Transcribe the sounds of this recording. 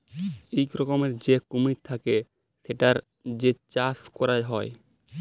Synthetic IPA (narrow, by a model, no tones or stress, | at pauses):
ejkɾokomeɾd͡ʑekumit̚t̪ʰake | ʃeʈaɾ | d͡ʑet͡ɕaskɔɾajɦɔe